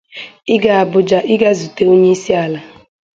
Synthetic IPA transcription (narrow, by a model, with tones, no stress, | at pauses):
ɪ˦ɡa˨a˨bʊ˨d͡ʒa˨ʔɪ˦ɡa˦zu˨te˨o˦ɲe˦i˦si˦a˨la˨